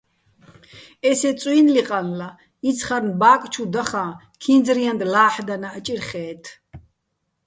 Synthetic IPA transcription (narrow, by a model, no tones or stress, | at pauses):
ɛsɛt͡sʼwinliqʼanla | it͡sʰχaɾnbaːkʼt͡ʃʰud̪aχãː | kʰind͡zɾijand̪laːħd̪anaːt͡ʃʼiɾχɛːt̪ʰ